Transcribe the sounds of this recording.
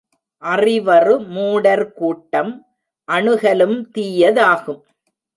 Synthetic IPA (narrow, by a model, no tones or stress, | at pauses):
ʔɐrɪʋɐrɯmuːɽɐɾkuːʈːɐm | ʔɐɳɯɣɐlɯmt̪iːjɐðaːɣɯm